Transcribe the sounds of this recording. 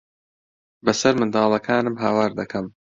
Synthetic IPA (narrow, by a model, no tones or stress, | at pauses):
bɐsɐɾmɨnd̪ɑːlˠɐkʰaːnɨmɦaːwaːɾd̪ɐkʰɐm